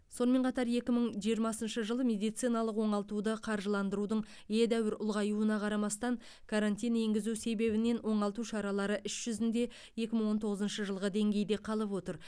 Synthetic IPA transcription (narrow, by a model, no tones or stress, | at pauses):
so̞nəme̞ɴqʰɑt̪ɑɾje̞kʲɪməɴʒijəɾmɑsənʃəʒəlˠəmʲe̞d̪ijt̪sijnɑlˠəqwo̞ɴɑlˠt̪ud̪əqʰɑɾʒəlˠɑnd̪əɾud̪əɴ | jed̪æwɪɾʊlˠʁɑjuənɑqʰɑɾɑmɑst̪ɑŋ | kʰaɾant̪ijne̞ŋɡʲɪzuse̞be̞bɪne̞nwo̞ɴɑlˠt̪uʃɑɾɑlˠɑɾəʔʏʃʒ̥ʏzɪnd̪e̞ | je̞kʲɪməɴwo̞nt̪ʰo̞ʁəzənʃəʒəlˠʁəd̪e̞ŋɡʲe̞jd̪e̞qʰɑlˠəpwo̞t̪əɾ